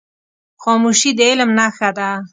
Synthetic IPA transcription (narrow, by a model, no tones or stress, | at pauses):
xɔmuʃid̪əɪlmnaxad̪a